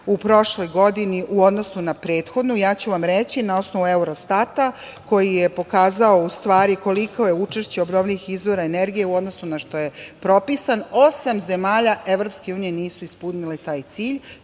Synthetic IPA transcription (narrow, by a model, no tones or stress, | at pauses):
upɾo̞ʃlo̞jɡo̞d̪iniʔuo̞d̪no̞sunapɾe̞ːt̪xo̞d̪nujaːt͡ɕuʋamɾet͡ɕinao̞sno̞ʋue̞uɾost̪at̪a | ko̞jijepo̞kaːzao̞ust̪ʋaːɾiko̞likʰo̞je̞ut͡ʃeʃt͡ɕeobnoʋʎʲiʋixizʋo̞ɾaene̞ɾɡije̞uo̞d̪no̞sunaʃt̪o̞je̞pɾo̞pisano̞samze̞maːʎaʔe̞ʋɾo̞pske̞uːnije̞niːsuispunilet̪aːjt̪siːʎ